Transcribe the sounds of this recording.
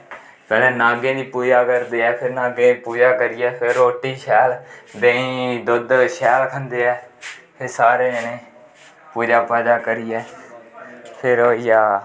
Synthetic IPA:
pɛːlɛ̃ːnaːɡẽːd̪iːpuːd͡ʒaːkəɾd̪eːɛːpʰɪɾnaːɡẽːpuːd͡ʒaːkəɾɪːɛːpʰɪɾoːʈiːʃɛːld̪ẽĩːd̪ʊd̪ʃɛːlkʰənd̪eːɛːpʰɪɾsaːɾeːənẽː | puːd͡ʒaːpəd͡ʒ̪aːkəɾiːɛː | pʰɪɾoːijaː

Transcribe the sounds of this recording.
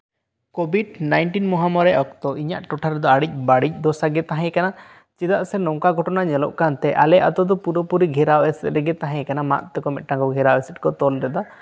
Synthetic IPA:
kɔbʱiɖnajnʈinmɔɦamɔɾɛʔɔk̚t̪ɔʔiɲa̰ʔʈɔʈʰaɾɛd̪ɔaɽic̚ˀbaɽic̚ˀd̪ɔsaɡɛt̪aɦɛ̃jkana | t͡ʃid̪aʔsɛnɔŋkaɡʱɔʈɔnaɲɛlɔ̰ʔkant̪ɛʔa̰lɛʔat̪ɔd̪ɔpuɾɔpuɾiɡʱɛɾawɛsɛt̪ɾɛɡɛt̪aɦɛ̃jkanama̰t̪̚t̪ɛkɔmɛt̪̚ʈaŋkɔɡʱɛɾawɛsɛt̚kɔt̪ɔlɾɛd̪a

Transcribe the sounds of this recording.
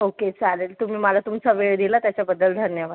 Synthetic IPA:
oket͡salelt̪um̤iːmalat̪umt͡saʋeɭd̪ilat̪jat͡ɕjabəd̪ːəld̪ʱənjəʋad̪

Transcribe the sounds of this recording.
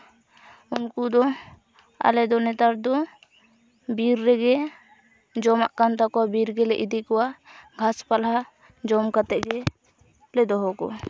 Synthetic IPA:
unkud̪ɔ | a̰lɛd̪ɔnɛt̪aɾd̪ɔ | biɾːɛɡɛ | d͡ʒɔmaʔkant̪akɔwabiɾɡɛlɛʔid̪ikɔwaɡʱaspalɦa | d͡ʒɔmkat̪ɛʔɡɛ | lɛd̪ɔɦɔkɔ̰

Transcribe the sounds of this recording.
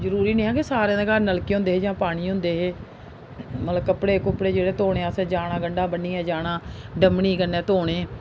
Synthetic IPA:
zəɾuːɾiːnĩːɦɛ̃ːkesaːɾeãːd̪eːkəɾnəlkiːɦʊ̃nd̪eːɦeːd͡ʒãːpaːɽ̃iːɦʊ̃nd̪eːɦeː | mət̪ləbkəpɽeːkʊpːɽeːd͡ʒeːɽeːt̪oːɽeːaːsẽːd͡ʒaːɽãːɡəɳɖãːbəniːɦɛːd͡ʒaːɽãːɖəmɳiːkənːɛ̃ːt̪oːɽ̃eː

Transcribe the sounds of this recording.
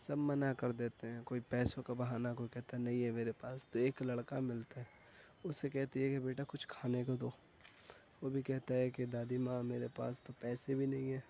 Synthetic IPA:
sɐbmɐnakɐɾd̪eːt̪eɦɛ̃koːipɛːsõkabɐɦaːnakoːikɛɦt̪aɦɛnɐɦĩɦɛmeːɾepaːst̪oeːklɐɽkamɪlt̪aɦɛː | ʊsːekɛɦt̪iɦɛ̃kebeːʈakʊt͡ʃʰkʰaːnekad̪oː | ʋobʱikɛɦt̪aɦɛked̪aːd̪imãːmeːɾepa̰ːst̪opɛːsebʱinɐɦĩɦɛː

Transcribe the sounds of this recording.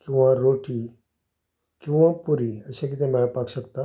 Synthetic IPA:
kĩw̃ʋãɾoʈi | kĩw̃ʋãpuɾiəɕãk̬it̪ẽmɛɭəpakɕəkt̪a

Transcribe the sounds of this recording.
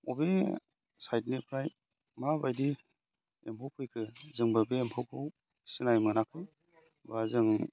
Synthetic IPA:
ɔbe | sajtnipʰɾaj | mabajdi | empʰowpʰɯjkʰɯzɯŋbɯbeːmpʰowkʰɯw | sinajmɯnakʰɯ | bazɯŋ

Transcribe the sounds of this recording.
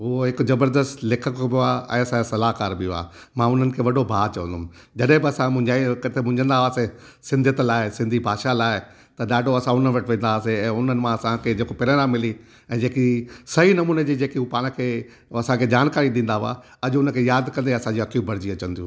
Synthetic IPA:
ɦʊoɦɪkʊzɐbəɾd̪əst̪lɪkʰəkbɪaːɛ̰̃ːɐsãsɐlaːkaːɾbɪjoa̰ː | mãːʊn̤ənɪ̆kʰeːʋɐɖʱobʱaːt͡ɕɐʋə̃nd̪ʊm | d͡ʑɐɗɦɪ̃bɪɐsãmʊ̃ɲd͡ʑakɐt̪ʰemʊ̃ɲd͡ʑʱə̃nd̪aʋaːse | sɪ̃nd̪ʱɪət̪laːɪsɪ̃nd̪ʱibʱaːʃalaːɪ | t̪ɐɗaːɖʱoɐsãʊn̤ənʋɐʈʰʋẽːn̆d̪aʋaːseɛ̃ːʊn̤ənɪ̆mãɐsãkʰed͡ʑeːkopɪɾənãmːɪli | ɛ̃ːd͡ʑeːkisɐɦinɐmuːned͡ʑiːd͡ʑeːkiupaːɽ̃kʰeː | ɐsãkʰed͡ʑaːnkaːɾiɗĩːnd̪aɦa̰ | ɐʄʊʊnə̆kʰejaːd̪kɐ̃nd̪eɐsãd͡ʑiɐkjũbʱɐɾd͡ʑiɐt͡ɕə̃nd̪ijṵ̃ː

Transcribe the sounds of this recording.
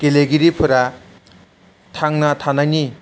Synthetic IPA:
keleɡiɾipʰuɾa | t̪ʰaŋnat̪ʰanani

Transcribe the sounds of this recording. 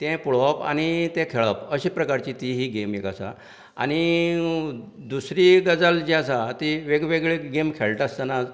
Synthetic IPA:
t̪ɛ̃puɭəpa̰ñit̪ɛ̃kʰeɭəpəɕiːpɾəkaɾt͡ɕit̪iɦiːɡemekasa̰ | a̰ñi | d̪usɾiɡəd͡zald͡ʑiasat̪iʋeɡʋeɡɭeɡemkʰeɭʈast̪anad͡z

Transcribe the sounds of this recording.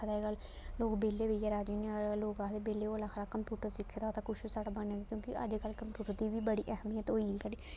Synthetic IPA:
d̪aɡəlloːkbeːleːʋejɛːɾaːd͡ʒiːneloːkaːd̪eːbeːleːoːəlaːxɾaːkəmpjuːʈəɾsɪkʰːeːt̪at̪akʊʃisaːɽaːbəneːɡ̪ekjõːkiʔə̰d͡ʒkəlːkəmpjuːʈəɾd̪iːʋiːbəɽiːʔɛɦmiːɦɛːt̪oːiːlkəɽiː

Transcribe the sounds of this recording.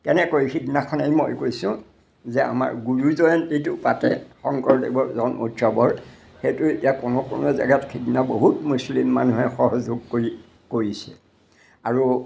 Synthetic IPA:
kɛnɛkojkʰiknakʰɔnejmojkojsʊ̃ | zɛa̰ma̰ɹɡuɹuzɔjɔntitʊpatɛxɔŋkɔɹdebɔzɔnʔṵtsɔbɔɹ | xejtʊetiakʊnɔkʊ̰nɔza̰ɡatkʰiknaboɦutmuslimːa̰nuɦɛxɔɦɔzuɡ̚koɹi | koɹisɛ | aɹu

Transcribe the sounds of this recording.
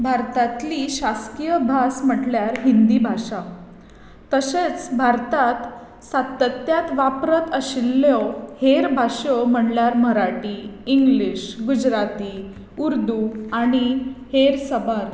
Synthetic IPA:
bʱaɾt̪at̪liɕaskijəbʱasm̤əʈljaɾɦind̪ibʱaɕa | t̪əɕet͡sbʱaɾt̪at̪ | sat̪ːət̪jat̪ʋapɾət̪əɕilːjoheɾbʱaɕom̤əɳljaɾm̤əɾaʈiːŋɡliɕɡud͡ʑɾat̪i | uɾd̪uaɽ̃iheɾsəbaɾ

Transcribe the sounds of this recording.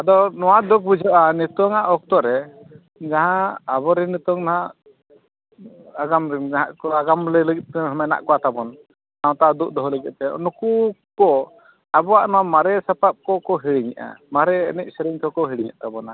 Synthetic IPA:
ad̪ɔnɔwad̪ɔk̚bud͡ʒʱɔʔanit̪ɔŋaʔɔk̚t̪ɔɾɛ | d͡ʒaɦãːbɔɾɛnit̪ɔŋnaɦaʔ | aɡamɾiaɦaʔkɔaɡamlɛləɡit̪̚ɛɦɔmɛna̰ʔkɔat̪abɔn | naw̃t̪aʔad̪uʔ̚d̪ɔɦɔləɡɛʔ̪̚t̪ɛ̰nukukɔ | abɔwaʔnɔwamaɾɛsapap̚kɔkɔɦiɽiɲḭʔa̰maɾɛ̰ːnɛc̚ˀsɛɾiɲt̪ʰɔɔkɔɦiɽiɲa̰ʔt̪abɔna

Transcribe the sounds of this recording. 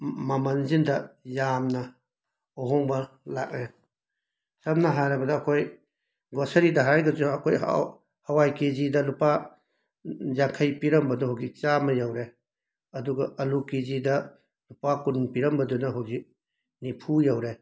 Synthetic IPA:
mamɐnzindɐjamnɐ | ɔɦɔŋbɐ | lak̚ne | sɐmnɐɦaɾabɐdɐːkʰoj | ɡɔsɐɾidɐɦaɾajɡɐzuɐkʰoj̰ | hɐwajkezidɐlupa | zaŋkʰɐjpiɾɐmbɐduɦɔɡit͡ʃamɐjawɾe | ɐduɡɐʔɐlukezidɐ | lupakunpiɾɐmbɐdunɐɦɔɡi | nipʰujawɾe

